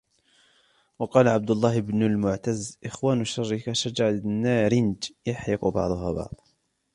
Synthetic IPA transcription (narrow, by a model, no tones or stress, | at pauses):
wɑqɑːlaʕab̚d̪ʊlˤːɑːhɪbnʊlmʊʕt̪azʔɪxwaːnʃɑrˤːɪkaʃad͡ʒɑʕanːaɾɪnd͡ʒjaħiqʊbɑ̰ʕd̪ˤʊɦa̰bɑ̰ʕd̪ˤ